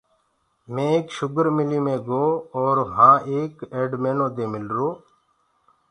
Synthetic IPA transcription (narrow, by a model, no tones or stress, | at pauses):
mẽːeːkʃʊɡəɾmɪliːmẽːɡoːoːɾɦãːʔeːkeːɖmeːnõːd̪eːmɪlɾoː